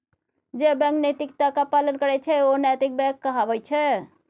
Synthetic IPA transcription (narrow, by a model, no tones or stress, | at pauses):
d͡ʒebɛ̃knət̪ikt̪akapalənkəɾɛt͡ʃʰɛonɛt̪ik̚bɛ̃kːəɦabəjt͡ʃʰɛ